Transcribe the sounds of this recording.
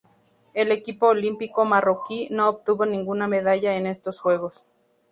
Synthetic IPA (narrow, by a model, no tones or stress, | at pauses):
e̞le̞kipo̞ːlimpikomarokinoːp̚t̪uβo̞nĩŋɡunameð̞aʝaene̞st̪o̞sxwe̞ɣo̞s